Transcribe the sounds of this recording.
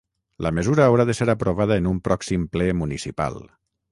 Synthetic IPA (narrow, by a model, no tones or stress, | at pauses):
ləməzuɾəːwɾaðəseɾəpɾoβ̞að̞əːnumpɾɔksimplɛmunisipa̰lˠ